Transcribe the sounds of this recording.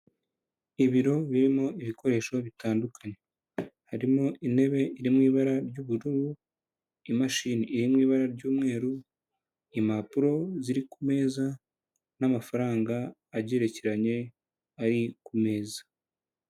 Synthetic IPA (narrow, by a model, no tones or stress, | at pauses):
iβiɾo̞βiɾimoiβiko̞ɾe̞ːʃo̞βitaːndukʰaɲe̞ | haɾimoʔine̞βe̞iɾimŋiːβaɾaɾɟuːβuɾuβu | imaʃiniːɾimŋiːβaɾaɾɟuːmŋe̞ːɾu | imapuɾo̞ziɾikume̞ːza | namafaɾaːŋɡaː | ɟeːɾe̞ceɾaɲe̞ | aɾikume̞ːzḁ